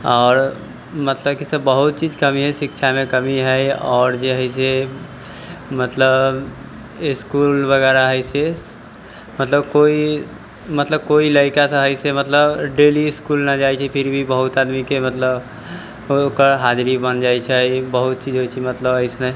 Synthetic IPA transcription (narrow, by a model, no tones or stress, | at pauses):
ɔːɾ | mət̪ləbkisə̃bəɦut̪̚t͡ʃid͡ʒkəmiɦɛsɪkt͡ʃʰamẽkəmiɦɛɔːɾd͡ʒəɦəɪs̬e | mət̪ləb | ɪskulbəɡɛɾaɦəɪse | mət̪ləb̚koi | mət̪ləb̚koiləɪkasə̃ɦəɪsemət̪ləbɖeliskulnad͡ʒajt͡ʃʰɛpʰɪɾbʱibəɦʊt̪ad̪mikemət̪ləb | okəɾɦad͡ʒɾibənd͡ʒajt͡ʃʰɛbəɦut̪̚t͡ʃid͡ʒɦojt͡ʃʰɛmət̪ləbəɪsnə